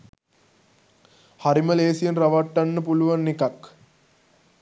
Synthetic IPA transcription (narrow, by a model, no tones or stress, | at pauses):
haɾiməleːsijenraʋaʈːanːəpuluʋanːekak